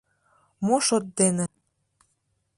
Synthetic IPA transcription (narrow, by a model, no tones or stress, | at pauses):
moʃot̪̚d̪enĕ